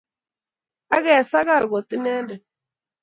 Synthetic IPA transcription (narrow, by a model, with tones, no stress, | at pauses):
a˦ɣɛ˨sa˦ka˦˨ɾɡɔ˨ti˦nɛ˦ndɛ˨